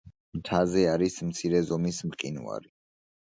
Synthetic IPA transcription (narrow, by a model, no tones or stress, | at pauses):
mt̪ʰazɛaɾismt̪sʰiɾɛzɔmismqʼḭnṵa̰ɾi